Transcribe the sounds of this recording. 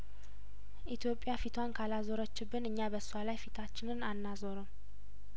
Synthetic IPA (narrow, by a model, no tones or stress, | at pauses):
ʔit̪ʰjo̞pʼjafit̪ʰwankʰalazoɾət͡ʃːɪbːɨnɨɲːabəsːualajfit̪ʰat͡ʃːɪnɨnanːazoɾom